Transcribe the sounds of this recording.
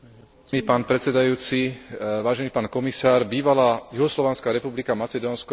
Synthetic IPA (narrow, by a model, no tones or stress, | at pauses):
iːpaːnpɾɛt̪t͡sɛd̪ajuːt͡siʋaːʒɛniːpaːnkɔmisaːɾbiːʋalaːjuɦɔslɔʋanskaːɾɛpublikamat͡sɛd̪ɔːnskɔ